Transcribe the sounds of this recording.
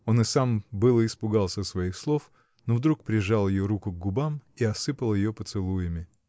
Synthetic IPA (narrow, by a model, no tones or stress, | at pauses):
o̞nɨsambɨlˠɨːspʊɡalˠsʲəsvɐixslˠo̞f | novd̪ɾuk̚pɾʲɪʐalˠjɪjoɾukʊɡ̚ɡʊbamiɐsɨpəlˠjɪjopət̪sɨlˠujɪmʲɪ